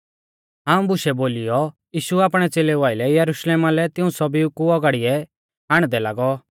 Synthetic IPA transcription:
ɦãːũbʊʃɛboːlɪjɔ | jiːʃuaːpɽ̃ɛt͡seːleʋaːɪlɛjɐɾʊʃleːmalɛt̪ɪũsɔbikuɔɡaɽɪjɛ | ɦaːɽ̃d̪ɛlaːɡɔ

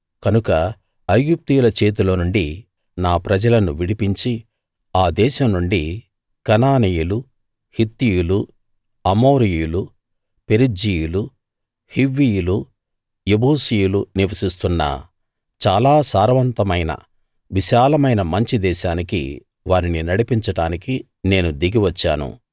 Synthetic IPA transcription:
kɐnukɐ | ɐjɡup̚t̪ijulɐt͡ʃe̞ːt̪̬uloːnuɳɖi | naːpɾɐd͡ʒɐlɐnuʋiɽipiɲt͡ʃi | aːd̪ɛːʃɐmnuɳɖi | kɐnaːnijulu | hit̪ːijulu | ɐmoːɾijijulu | peɾid͡ʒijulu | hiʋːijulu | jeboːsijuluniʋɐsist̪unːɐ̰ | t͡ʃaːlaːsaːɾɐʋɐnt̪ɐmɐjnɐ̰ | ʋiʃaːlɐmɐjnɐmɐɲt͡ʃid̪ɛːʃaːnikḭ | ʋaːɾininɐɽipiɲt͡ʃɐʈaːniki | ne̞ːnud̪iɡiʋɐt͡ʃːa̰ːnṵ

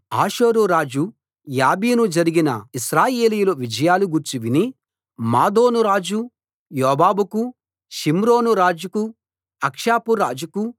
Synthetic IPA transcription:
aːʃoːɾuɾaːd͡ʒu | jaːbiːnud͡ʒɐɾiɡinɐ̰iʃɾaːjeːlijuloʋid͡ʒɐjaːluɡuɾt͡ʃiʋini | maːd̪oːnuɾaːd͡ʒu | jɔːbaːbuku | ʃimɾoːnuɾaːd͡ʒuku | ɐkʂaːpuɾaːd͡ʒuku

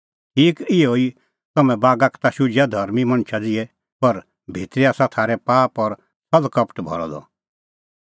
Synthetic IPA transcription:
ʈʰiːkɪoi | t̪ɐmɛ̃baːɡakʰt̪aʃʊd͡ʒjad̪ʱɐɾmimɐ̃ñt͡ʃʰad͡zɪɛ | pɐɾ | bʱeːt̪ɾiaːsat̪ʰaːɾɛpaːpɔɾ | sɐlkɐpʰʈbʱɔ̰ɾɔ̰d̪ɔ̰

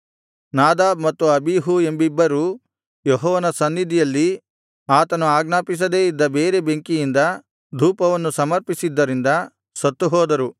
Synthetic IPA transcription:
naːd̪aːbmɐt̪ːuɐbiɦue̞mbibːɐɾuː | jɔɦɔːʋɐnɐsɐnːid̪ijɐlːi | aːt̪ɐnuaːɡnaːpis̬ɐd̪eːid̪ːɐbeːɾe̞beŋkijind̪ɐ | d̪ʱuːpɐʋɐnːusɐmɐɾpisid̪ːɐɾind̪ɐ | sɐt̪ːuɦɔːd̪ɐɾu

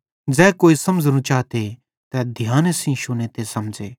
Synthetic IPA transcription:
d͡zɛːkoːisɐmd͡ʒnũt͡ʃaːt̪e | t̪ɛd̪ʱjaːnsĩʃʊnẽt̪esɐmd͡ʒeː

